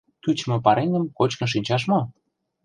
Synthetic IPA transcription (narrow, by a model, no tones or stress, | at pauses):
k̪yt͡ɕmɤ̆pɑɾʔenʲə̆mkot͡ɕkə̆nʃ̬inʲt͡ɕɑʃ̬mo